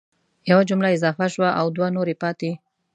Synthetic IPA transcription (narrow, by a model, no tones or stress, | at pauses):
jawad͡ʒʊmlaɪzɑfaʃwaʔawd̪wanoɾepɑt̪e